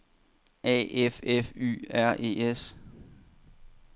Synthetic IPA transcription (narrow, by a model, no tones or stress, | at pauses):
ɛ̰ːefefy̰ːæɐ̰ʔe̝̰ːes